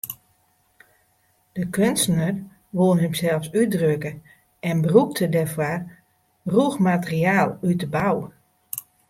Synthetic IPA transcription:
d̥əkʰønstənər | ʋolˠənəmsɛlˠfsydrøkə | ɛnbəruk̚tʰədɛfwar | ruxmatəriaːlˠytəbaw

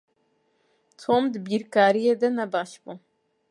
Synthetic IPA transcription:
t̪ʰoːmd̪ɨbiɾkaːɾijed̪ɛnɛbɑːʃbu

